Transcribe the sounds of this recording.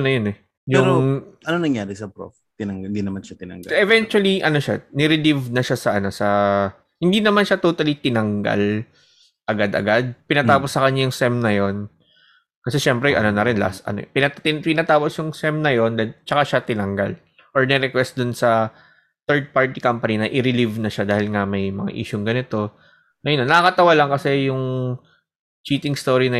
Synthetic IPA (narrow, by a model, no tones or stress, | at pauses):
onɐjonɛ | jʊɾŋoʔɐnonɐŋjaːɾɛsɐpɾo̰f | t̪ɪnɐŋɪnd̪inɐmanʃat̪ɪnɐ̰ŋɡɛvɛnt͡ʃʊwɐliʔɐno̞ʃanɪɾɪd̪ivnɐʃasɐʔɐno̞sɐ | hɪnd̪inɐmanʃat̪ot̪ɐlit̪ɪnɐŋɡa̰l | ʔɐɡad̪ʔɐ̰ɡad̪̚pɪnɐt̪aːposːɐkɐɲajʊŋsɛmnɐjo̞n | kɐsɛʃɛmpɾɛʔɐ̰no̞nɐɾɪnla̰st̪ʔɐ̰no̰pɪnɐɪpɪnɐt̪aːposjʊŋsɛmnɐjo̞nd̪ɐnt͡ʃɐkaʃat̪ɪnɐŋɡa̰l | ʔoɹnɛɾɛkwɛst̪̚d̪ʊnsɐ | t̪ɛɹd̪̚paɹt̪ikampɐninɐʔɪɾɪlivnɐʃad̪aːhɪlŋɐmɐjmɐ̰ŋa̰ʔḭːʃʊŋɡɐnɪt̪o̞ | nɐjɐnonːɐkɐkɐt̪ɐwalɐŋkɐsɛjʊŋ | t͡ʃiːt̪ɪŋst̪o̞ɹinɐ